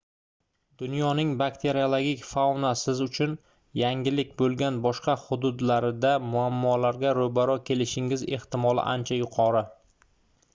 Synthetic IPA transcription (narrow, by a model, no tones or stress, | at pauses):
d̪̥ʊnjɒnɪŋbakt̪ʰe̞ɾiolˠoɡʲikʲfawnasɪzʊt͡ʃʰʊn | jaŋɡʲɪlɪkʲbolˠɡʲanbɒʃqɑhʊd̪ʊd̪laɾɪd̪amʊamːɒlaɾɡʲaɾobaɾɒkʲʰe̞lɪʃɪŋɪze̞̰ht̪ɪmɒlˠɪ̰ʔa̰nt͡ʃʰajʊqʰɒɾɪ